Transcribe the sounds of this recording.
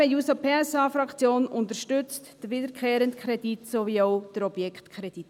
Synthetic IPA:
ɛjusopʰeːɛsɑːfɾɑkt͡sjoːnʊntəʃtʏt͡std̥əʋidəɾkʰχeːɾəntkʰɾɛditsoʋiɔʊd̥əɾɔb̥jɛkʰtkʰχɾɛd̥it

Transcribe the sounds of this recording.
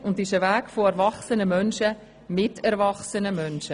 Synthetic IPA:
ʊndɪʃəvæːkfoɛɾvɑχsənəmœnʃə | mɪtʰɛɾvɑχsənəmœnʃə

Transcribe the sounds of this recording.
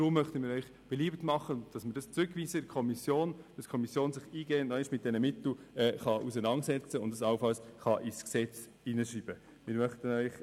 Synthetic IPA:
tɾʊmːœχtəmɪːɾœʏχ | b̥ɛliːbtmɑχənd̥ɑsməɾd̥ɑst͡sɾʏkʋiːsəkʰɔmisjoːnd̥ɑskʰɔmisjoːnsɪχiːɡɛːnnɔʃmɪt̚d̥ɛnəmɪtl̩ɛχɑʔus̬ənɑnsɛt͡səʊndəsɑlfɑlsχɑʔisksɛt͡s | inəʃiːb̥ə | mɪɾmœχtənœʏχ

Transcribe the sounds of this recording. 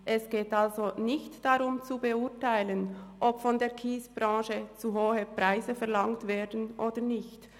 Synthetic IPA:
ʔɛsɡ̥eːtalzonɪçtd̥aʁʊmt͡subəʊɐtaɪlənʔɔpfɔndeːɐkʰiːsb̥ʁɑ̃ːʃət͡suɦoːhəpʁ̥aɪzəfɛɐlaŋtv̥eːɐdn̩ʔoːdənɪçt

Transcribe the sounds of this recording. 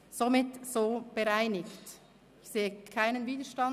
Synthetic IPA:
z̥omɪtsoːb̥əʁaɪnɪkt | ɪçseːəkʰaɪnənviːdəʃtɑn

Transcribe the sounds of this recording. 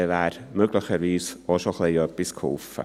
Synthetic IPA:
var | mɵɡlˠəχəɾviːsɔʃɔχlˠejɔb̥ɪskʰʊ̰lˠfa̰

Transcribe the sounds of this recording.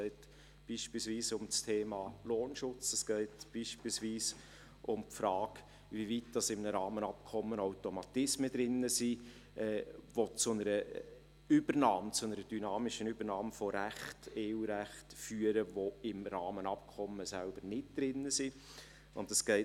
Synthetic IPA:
ɛɪt | b̥iːʃpiːlsviːsʊmt͡stʰeːmɑːloːnʃʊt͡sɛskɛɪtb̥iːʃpiːlsviːs | ʔʊmpfɾɑːk | vivit̚d̥ɑsɪmnəɾɑːmənɑp̚kʰɔmːənaʊtɔmɑt̪ɪsməd̥̪ɾɪnːəsi | ɛːʋot͡sʊnəɾə | ʏb̥əɾnɑːmt͡sʊnəɾəd̥ynɑːmɪʃənʏb̥əɾnɑːmfɔɾæχteːuːɾæχtfyːəɾəʋoɪmɾɑːmənɑp̚kʰɔmːəsælb̥əɾnɪt̚d̪̥ɾɪnːəsi | ʊ̰ndɛsɡ̥ɛɪ

